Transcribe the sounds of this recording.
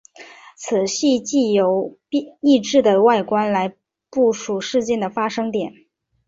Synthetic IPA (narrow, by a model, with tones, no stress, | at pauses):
t͡sʰɹ̩˨˩ɕi˥˧t͡ɕi˥˩jo˧˥ʊ˥˧i˥˧ʈ͡ʂɻ̩˥˩d̪ə˩wa˥˩ɪkwa˥nla˧˥ɪ | pu˥˩ʂu˨˩ʂɻ̩˥˧t͡ɕjɛ˥˩nd̪ə˩fa˥ʂɤ˥ŋt̪jɛ˨˩˦n